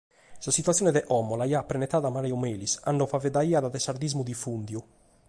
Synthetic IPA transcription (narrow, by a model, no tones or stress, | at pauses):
sasit̪wat̪sːjɔːnɛðɛʔɔmːɔlaiaːpːɾɛnɛt̪ːaːðamaɾjɔmeːlisa̰nːɔfavɛd̪aiːad̪aðɛsaɾd̪izmud̪ifund̪ju